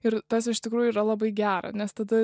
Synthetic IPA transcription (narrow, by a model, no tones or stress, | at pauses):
ɪɾt̪ɐsɪʃt̪ʲɪkɾuːjuiːɾɐlˠɐbɐɪɡʲæːɾɐ̰nʲɛst̪ɐd̪ɐ